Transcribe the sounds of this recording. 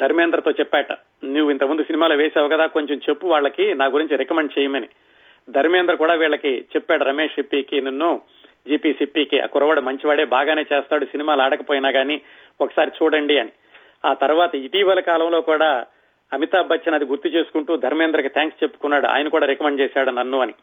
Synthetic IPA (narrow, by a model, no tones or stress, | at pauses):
d̪ʱɐɾmeːnd̪ɾɐt̪o̞ːt͡ʃɛpːɛːʈɐ̰ | niːʋuint̪ɐmund̪usinimaːloːʋeːsɛːʋɐkɐd̪aːko̞ɲt͡ʃemt͡ʃepːuʋaːɭːɐkinaːɡuɾiɲt͡ʃiɾɛkɐmeɳɖt͡ʃɛːjɐmɐni | d̪ʱɐɾmeːnd̪ɾɐkuːɽaːʋiːɭːɐkit͡ʃɛpːaːɽuɾɐmeːʂipːiːkinɐnːu | d͡ʒiːpiːsipːiːkiʔɐ̰kuɾɐʋaːɽumɐɲt͡ʃiʋaːɽe̞ːbaːɡaːneːt͡ʃeːst̪aːɽusinimaːlaːɽɐkɐpoːjinaːɡaːniː | okɐ̥saːɾit͡ʃuːɽɐɳɖiɐni | aːt̪ɐɾuʋaːt̪ɐit̪iːʋɐlɐkaːlɐmlo̞ːkuːɽaː | ɐmit̪aːbɐt͡ʃːɐnɐd̪iɡuɾt̪it͡ʃe̞ːsu̥kuɳʈuːd̪ʱɐɾmeːnd̪ɾɐkit̪ʰaːŋkst͡ʃe̞pːu̥kunːaːɽuʔa̰ːjɐnɐkuːɽaːɾɛkɐmeɳɖ̚t͡ʃɛːsaːɽunɐnːuɐni